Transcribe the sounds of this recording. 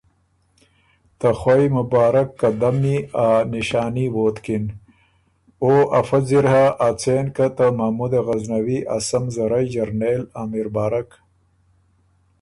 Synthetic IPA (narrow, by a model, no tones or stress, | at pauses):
t̪ɐxwajmubaːɾɐkːɐd̪ɐmiaːniʃaːniwoːt̪kin | oːʔafɐziɾhaʔat͡seːnkat̪ɐmamud̪eɣaznɐwiʔasɐmzɐɾɐjd͡ʑɐɾneːlamiɾbaːɾak